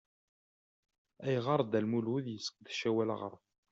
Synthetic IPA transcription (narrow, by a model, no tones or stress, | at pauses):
æjʁɑɾˤd̪ælmulwuðjəsə̥k̚ðʃæwælə̰ʁə̰ɾˤ